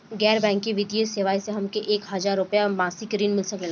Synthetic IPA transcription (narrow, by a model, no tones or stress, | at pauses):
ɡɛːɾbɛ̃ːŋkːiʋɪd̪jeseʋaːiseɦɐmkeʔeːkɦɐzaːɾːʊpjamãːsɪkɾiːnmɪlsɐkel